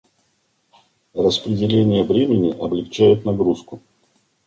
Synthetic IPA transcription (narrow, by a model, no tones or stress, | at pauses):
rəspɾʲɪdʲɪlʲenʲɪjəvɾʲemʲɪnʲɪʔɐblʲɪkt͡ɕæjɪt̪nɐɡɾuskʊ